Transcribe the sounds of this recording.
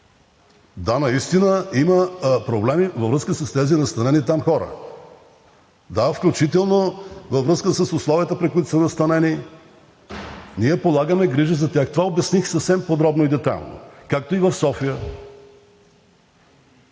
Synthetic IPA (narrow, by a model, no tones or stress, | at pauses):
d̪anɐist̪inəiməpɾoblɛmivɐvɾəskəsəst̪ɛzinɐst̪ɐnɛnit̪amxɔɾə̰ | d̪afklʲut͡ʃit̪ɛlˠnovɐvɾɤskəsəsʊslˠɔvijət̪əpɾikʊit̪ʊ̥smɛnɐst̪ɐnɛni | niɛpolˠaɡəmɛɡɾiʒizɐt̪ʲjaxt̪ovaobɛɐsnixsəfsɛmpod̪ɾɔbnoid̪ɛt̪a̰jlˠno̰kak̚t̪oivɐfsɔfijə